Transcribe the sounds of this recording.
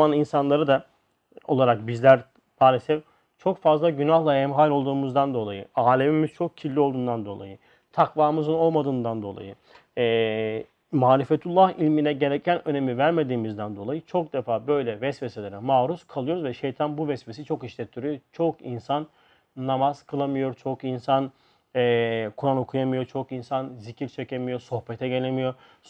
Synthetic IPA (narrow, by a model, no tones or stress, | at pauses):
aninsanlˠaɾɯd̪a | o̞lˠaɾak̚bizlʲæɾ | b̪ʰaːlʲesɛf | t͡ʃʰokfazlˠaɟynaxlˠaɛmɦalʲo̞lˠd̪uːmuzd̪and̪o̞lˠajɯaːlʲemimiz̥t͡ʃʰo̞k̚cʰilʲːio̞lˠd̪uːnd̪and̪o̞lˠa̰jɯ | t̪ʰakvaːmɯzɯno̞lˠmad̪ɯːnd̪and̪o̞lˠa̰jɯ | ɛː | maːɾifet̪ʰulˠːahilʲminɛɟe̞ɾɛcʰːænø̞ne̞mivæɾme̞d̪iːmizd̪ænd̪o̞lˠajɯt͡ʃʰo̞k̚d̪ɛfaːbø̞jlʲɛvɛsveselʲeɾɛmaːɾuskʰalˠɯjo̞ɾuzvɛʃejt̪ʰanbuvɛsves̬it͡ʃʰo̞kiʃlʲɛt̪ʰːyɾyjot͡ʃʰokinsanː | amaz̥kʰɯlˠamɯjo̞ɾt͡ʃʰo̞kinsan | ɛːkʰuɾano̞kʰujamɯjot͡ʃʰokinsanzicʰiɾt͡ʃʰecʰemijo̞so̞hpet̪ʰɛɟe̞lʲemijo̞